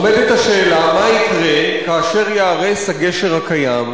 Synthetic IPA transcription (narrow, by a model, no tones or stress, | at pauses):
omed̪et̪aʃe̞ːlamaikʁekaːʃe̞ʁjaːʁeshaɡe̞ʃeʁhakajam